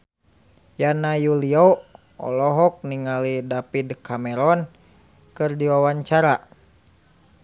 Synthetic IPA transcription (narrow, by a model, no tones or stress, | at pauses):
janajuliɔ | ɔ̰lɔɦɔk̚niŋalidapidkamɛɾɔn | kɨrdiwawaɲt͡ʃaɾa